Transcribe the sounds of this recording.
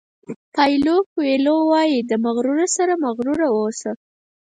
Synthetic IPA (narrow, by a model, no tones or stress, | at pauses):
pajlokwelowɑjid̪əmaɣɾuɾasaɾamaɣɾuɾawosa